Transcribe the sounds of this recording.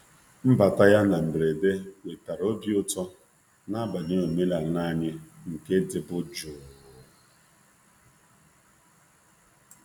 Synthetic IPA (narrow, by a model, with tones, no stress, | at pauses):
m̩˦ba˨ta˦ja˦na˨m̩˨bɾe˨de˦we˨ta˨ɾo˦bjʊ˦tɔ˦ | na˦ba˨ne˦o˨me˦la˨na˦˨ɲɪ˦ŋ̩˨ke˦dɪ˨bʊ˦d͡ʒʊ˨